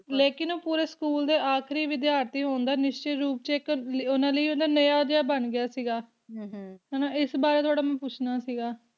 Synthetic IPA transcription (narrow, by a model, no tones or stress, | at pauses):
leːkɪnoːpuːɾeːskuːld̪eːʔaːkʰɾiːʋɪd̪jaːɾt̪iːɦoːnd̪aːnɪʃt͡ʃeːɾuːp̚t͡ʃeklonãːləiːond̪aːnəjaːd̪jaːbəɳɡɪjaːsiːɡaː | ɦɛːnãːɪsbaːɾeːt̪oaːɽaːmɛ̃ːpʊt͡ʃʰnaːsiːɡaː